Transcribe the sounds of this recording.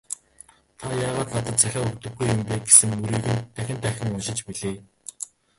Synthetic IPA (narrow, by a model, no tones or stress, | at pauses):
t̪ʰajaːʁaːt̪nat̪ə̆t̪t͡sæxʲaːɵkt̪ɵ̆xɡujːʊmpeːɡesɘ̆ŋmuɾiːɣɘ̆nt̪ʰːæxʲɪ̆nt̪ʰæxʲɪ̆ŋʊnʃɪ̆t͡ɕpiɮeː